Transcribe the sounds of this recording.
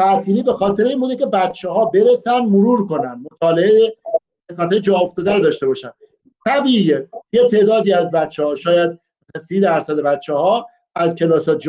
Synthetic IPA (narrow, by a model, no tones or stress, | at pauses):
t̪ʰæɾt̪ʰiːniːbe̞xɒːt̪ʰe̞ɾeinmbud̪ece̞bæt̪̚t͡ʃʰːeɦɒːbe̞ɾesænd̪moɾuːɾko̞nænd̪̚mo̞t̪ʰɒːleeje | ɣesmæt̪hɒːjed͡ʒɒːoft̪ɒːd̪æɾod̪ɒːʃt̪e̞bɒːʃænd̪̥ | t̪ʰæbijejet̪ʰe̞ːd̪ɒːd̪iːæzbæt̪t͡ʃʰːehɒːʃɒːjæd̪̚ | zsiːd̪æɾsæd̪e̞bæt̪̚t͡ʃʰːehɒː | æzkʰelɒːsɒːt̪d͡ʒ